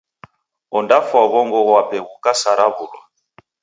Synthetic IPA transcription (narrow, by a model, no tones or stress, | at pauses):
ɔndafwaβɔŋɡɔɣwapɛɣukasaɾaβulwa̰